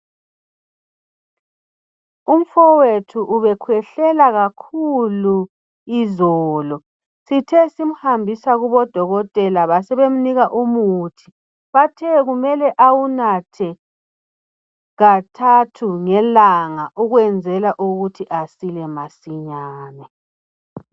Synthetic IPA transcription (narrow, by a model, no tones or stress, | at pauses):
um̩fɔwetʰuʔuβɛkʰwɛɬɛlaɣakʰulu | izɔːlɔ | sitʰɛsim̩hambʱisaɣuβɔd̥ʱɔɣɔtʼɛlaβasɛβem̩niɣaʔumuːtʰi̥ | βatʰɛɣumɛlɛʔawunatʰɛ | ɣatʰatʰuŋɛlaŋaʔuɣwɛnd͡zʱɛlaʔuɣutʰiʔasilɛmasiɲaːnɛ